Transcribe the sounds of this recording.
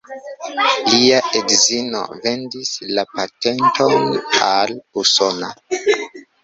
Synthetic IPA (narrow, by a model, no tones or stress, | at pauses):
liaʔeɡzino̞̰ve̞ndislapate̞ntʰo̞naluso̞na̰